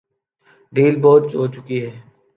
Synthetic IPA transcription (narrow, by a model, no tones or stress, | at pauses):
ɾiːlboːt̪t͡ʃɦoːt͡ʃʊkiɦɛː